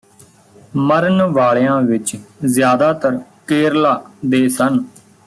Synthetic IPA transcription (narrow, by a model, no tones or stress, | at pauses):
məɾənʋaːɭjãːʋɪt͡ʃzjaːd̪aːt̪əɾkeːɾlaːd̪eːsən